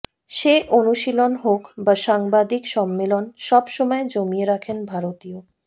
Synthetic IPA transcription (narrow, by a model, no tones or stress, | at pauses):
ʃeʔonuʃilonɦokbaʃaŋbad̪ikʃɔmːelonʃɔbʃɔmɔed͡ʑomieɾakʰenbʱaɾot̪io